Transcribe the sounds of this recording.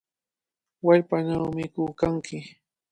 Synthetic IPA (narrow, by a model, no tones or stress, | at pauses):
waʎpanawmɪkʊkaŋkɪ